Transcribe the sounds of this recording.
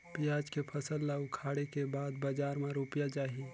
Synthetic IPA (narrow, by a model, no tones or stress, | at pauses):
pɪjaːd͡ʒkepʰɐsəlːaʊkʰaːɽekebaːd̪bad͡ʒaːɾmãɾuːpjad͡ʒaːɦi